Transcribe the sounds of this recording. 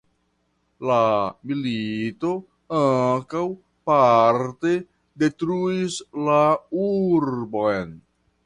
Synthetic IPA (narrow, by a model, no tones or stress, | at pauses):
lamilito̞ | aŋkaw | paɾte̞ | detɾuislauɾbojn